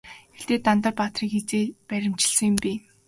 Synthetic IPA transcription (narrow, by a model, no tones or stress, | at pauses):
ext̪eːt̪ant̪ə̆rpat̪riːkxet͡seːpæɾʲɪ̆m̥t͡ɕɪ̆ɮsə̆ŋjʊ̆mpʲiː